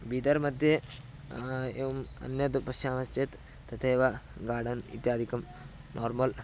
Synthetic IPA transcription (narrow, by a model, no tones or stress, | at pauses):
biːd̪ɐɾmɐd̪ʱje | eːʋɐmɐ̰njɐd̪pɐsʃaːʋɐst͡ʃet̪ | t̪ɐt̪ʰeːʋɐɡaːɽɐnḭt̪jaːd̪ʱikɐm | nʔoːɾmɐl